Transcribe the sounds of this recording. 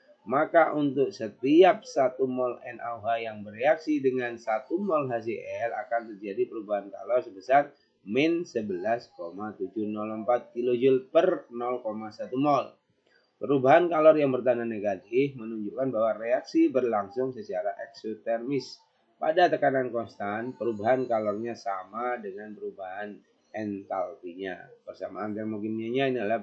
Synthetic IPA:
makaʔunt̪ʊk̚sət̪iap̚sat̪umɔlɛ̰nʔa̰wɦajaŋbəreaksidəŋansat̪umɔlɦas̬iʔɛla̰kant̪ərd͡ʒadipəɾubaɦanka̰lɔrsəbəsar | mɛnsəbəlaskomat̪ud͡ʒunɔləmpat̪̚kilod͡ʒʊlpərnɔlkomasat̪umɔl | pəɾubaɦankalɔrjaŋbərt̪ananeɡat̪ɪfmənuɲd͡ʒukanbawareaksibərlaŋsʊŋsət͡ʃaɾaʔɛksot̪ɛrmɪs | pa̰dat̪əkanankɔnst̪anpəɾubaɦankalɔrɲasamadəŋanpəɾubaɦan | ɛnt̪alfiɲa̰pərsamaːnt̪ɛrmoɡinaɲainila

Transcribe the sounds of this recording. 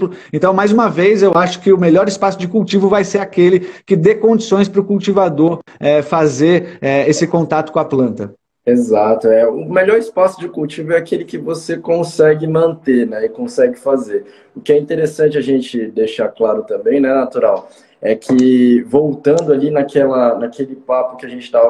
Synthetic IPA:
plʊẽnt̪ɐ̃w̃majzũmɐvejzewaʃʊ̥kɪʊmeʎɔɾɪspasʊd͡ʒɪkuwt͡ʃivʊvajseɾakelɪkɪd̪ekõd͡ʒisõj̃spɾʊkuwt͡ʃivad̪oɾɛfazeɾɛesɪkõnt̪at̪ʊ̥kõɐaplɐ̃nt̪ɐ | ezat̪ʊɛʊmeʎɔɾɪspasʊd͡ʒɪkuwt͡ʃivʊɛakelɪkɪvosekõsɛɡɪmɐ̃nt̪enɛɪkõsɛɡɪfazeɾ | ʊkɪɛĩt̪eɾesɐ̃nt͡ʃɪaʒẽnt͡ʃɪd̪eʃaklaɾʊt̪ɐ̃mbẽj̃nɛnat̪uɾaw | ɛkʰɪvowt̪ɐ̃nd̪ʊalinakʰɛlɐnakelɪpapʊkɪaʒẽnt͡ʃɪt̪avɐ

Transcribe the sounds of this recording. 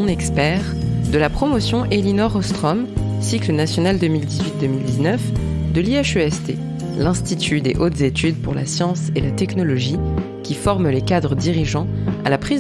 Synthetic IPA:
nɛkspɛʁd̪əlapχɔmɔsjɔ̃ʔelinɔʁɔst̪χɔm | siklənasjɔnald̪əmild̪izɥit̪̚d̪əmild̪iznœfd̪əliaʃøɛst̪ḛ | lɛ̃st̪it̪ʰyd̪eʔot̪zet̪yd̪̚puʁla̰sjɑ̃selat̪ɛknɔlɔʒi | kʲifɔʁmlekad̪ʁəd̪iʁiʒɑ̃a̰lapχiz

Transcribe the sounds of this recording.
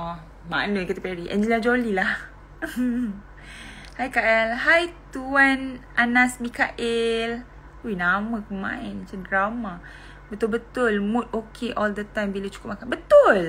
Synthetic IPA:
ɔ | ma̰nəkit̪əpɛɾiʔɛ̰̃nd͡ʒəlad͡ʒolilah | hajkaʔɛlɦajt̪uanʔanasbikaʔɪl | uinamə̃kəmã̰ɪnt͡ʃəndɾama | bət̪ʊlbət̪ʊlmut̪̚okʰeʔɔld̪ət̪ajmbilət͡ʃu̥kʊp̚akanbət̪ʊl

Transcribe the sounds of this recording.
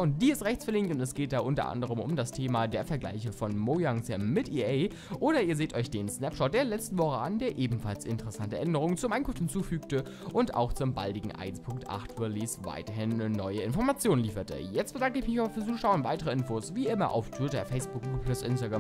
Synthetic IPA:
ʊntd̥iːɪstʁɛçt͡sfɪɐlɪŋk̚tʊntɛsɡ̥eːt̚d̥aːʔʊntɐ̰ʔa̰ndəʁ̞əmʊ̰mdastʰeːmadeːɐfɛɐɡla̰ɪçəfɔnmojaŋsɛmmɪtʔiʔeɪ | ʔʔoːɾɐiːɐzeːtɔʏçd̥eːnsnɛpʃɔt̚d̥eːɐlɛt͡stn̩vɔχəandeːɐʔeːbm̩falsɪ̰ntəʁɛsantəʔɛndəʁ̞ʊŋənt͡suːɐʔaɪkʰʊnfthɪnt͡suːfyːk̚tə | ʔʊnta̰ʊxt͡sʊmba̰ldɪɡŋ̩ʔa̰ɪnspʰʊŋk̚tʔa̰χtfuːɐliːsva̰ɪtɐɦɪnːɔʏəɪnfɔɐmat͡sjoːnliːfɐtə̰jɛt͡st̚b̥ədaŋkəɪçmɪçabɐfyːɐt͡suːʃaʊntvaɪtəʁ̞əɪnfoːsviːʔɪmɐ̰ʔa̰ʊftʰv̥ɪtɐfɛɪsb̥ʊk̚ɡuːɡpʰlʊsʔɪnstaɡʁa

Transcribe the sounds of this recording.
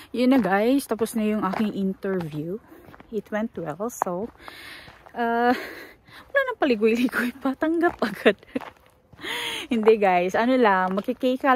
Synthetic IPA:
jʊnːɐɡajst̪ɐposnɐjʊŋʔaːkɪŋʔɪnt̪ɛɹvjuʔɪt̪wɛnt̪wɛlso | ʔa | mɐlaːnɐŋpɐlɪɡʊjlɪɡʊjpɐt̪ɐŋɡap̚ʔɐɡod̪̥̚ | hɪnd̪ɛɡajsʔɐnolɐmɐɡkɪkɛjka

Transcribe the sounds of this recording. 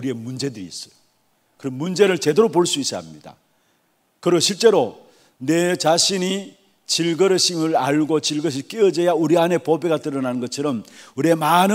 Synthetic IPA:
uɾie̞mund͡ʑe̞dɯɾiːs͈ʌ̥jo | kɯɾʌmund͡ʑe̞ɾɯɭt͡ɕe̞deɾopoɭs͈uis͈a̰mɲid̥a̰ | kɯɾɕʰiɭt͡ɕ͈e̞ɾo | ne̞t͡ɕaɕʰini | t͡ɕiɭɡʌɾɯɕʰimɯɾaɭɡot͡ɕiɭɡʌɕ̬ʰik͈eʌd͡ʑejauɾiane̞pobeɡatɯɾʌnanɯnɡʌt͡ɕʰʌɾʌmuɾie̞manɯ

